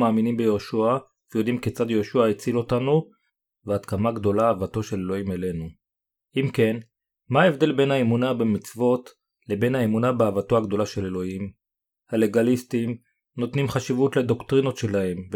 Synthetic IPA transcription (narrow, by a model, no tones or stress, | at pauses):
maːminimbejoʃua | vejo̞d̪imket͡sad̪jo̞ːʃuaet͡silo̞tanu | veat̪kamaɡd̪o̞laːvato̞ʃe̞lelo̞imele̞nu | ʔimke̞n | maevd̪e̞lbe̞nhaemunabemit͡svo̞t | le̞be̞nhaemunabeavato̞aɡdo̞laʃe̞le̞lo̞him | hale̞ɡalistim | no̞t̪nimχaʃivutled̪o̞kt̪ʁino̞t̪ʃe̞lahe̞mv